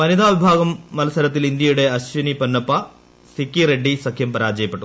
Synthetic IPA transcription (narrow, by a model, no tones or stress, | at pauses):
pɐnid̪ʱaːʋibʱaːɡɐmːɐlɐsɐɾɐt̪ːilind̪ijuɽeɐsʋinipɐnːɐpɐ | sikiɾeɖːisɐkʰjɐmpɐɾaːd͡ʒɐjɐpɐʈːu